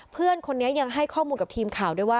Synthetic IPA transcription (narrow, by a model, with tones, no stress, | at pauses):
pʰɯ˥˩ənkʰo˧nːi˦˥ɐja˧ŋɦa˥˩jkʰɔː˥˩muː˧nka˨˩t̪ʰiː˧mkʰaː˨˩wdu˥˩jwaː˥˩